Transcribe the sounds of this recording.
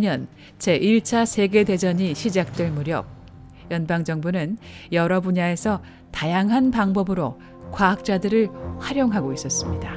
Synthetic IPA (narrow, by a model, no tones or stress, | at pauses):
ɲʌn | t͡ɕe̞ʔiɭt͡ɕʰasʰe̞ɡe̞de̞d͡ʑʌɲiɕʰid͡ʑak̚t͈we̞ɭmuɾjʌ̰p̚ | jʌnbaŋd͡ʑʌŋbunɯnjʌɾʌbuɲae̞sʰʌ | tajaŋɦanpaŋbʌbɯɾo | kwaɦak̚t͡ɕ͈adɯɾɯɭɸwaɾjoŋɦaɡois͈ʌs͈ɯmɲida